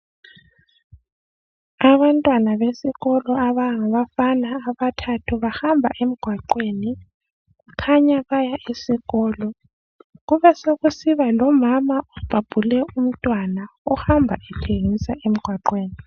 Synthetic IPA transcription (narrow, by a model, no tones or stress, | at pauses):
aβantʼwanaβesiɣɔlɔaβaŋaβafanaːβatʰatʰuβahambʱaʔem̩ɡ̥ʱwaǃweːni | ɣkʰaɲaβajaʔesiɣɔːlɔ | ɣuβɛsoɣusiβalɔmamaɔb̥ʱab̥ʱulɛum̩tʼwanaɔxambʱaʔɛtʰeŋisaʔem̩ɡ̥ʱwaǃweːni